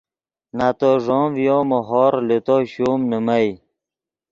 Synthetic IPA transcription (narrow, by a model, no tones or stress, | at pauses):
nat̪oʐoːvjoːmoɦɔːɾlet̪oɕuːmnəmaj